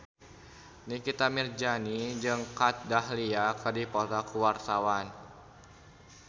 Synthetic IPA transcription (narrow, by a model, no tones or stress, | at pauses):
nikit̪amird͡ʒanid͡ʒɨŋkat̪̚dahliakədipot̪akuwart̪awan